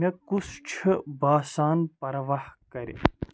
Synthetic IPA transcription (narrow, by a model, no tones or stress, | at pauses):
ekust͡ʃʰbaːsaːnpɐɾʋahkɐɾḛ